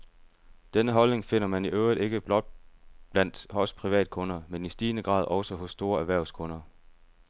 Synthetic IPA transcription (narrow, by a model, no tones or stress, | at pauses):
d̥enəɦɒ̽lne̝ŋfe̝n̰ɐmæniʔøʊʁid̥e̝ɡ̥əb̥lɒ̽d̥̚b̥læn̰d̥hɒ̽spʰʁiʋɛ̰ːd̥̚kʰɔ̽nɐmenisd̥iːnəɡ̥ʁɑ̰̈ːð̞̰ˠʔɒ̽ʊsɒɦɔ̽sːd̥o̝ːɐæɐʋæɐ̰ʊskʰɔ̽nɐ